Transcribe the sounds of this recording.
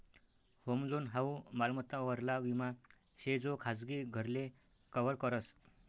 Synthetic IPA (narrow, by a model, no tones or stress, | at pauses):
homluːnɦaumalmət̪aʋəɾlaʋima | ɕed͡zokʰad͡zɡiɡʱəɾle | kəʋəɭkəɾəs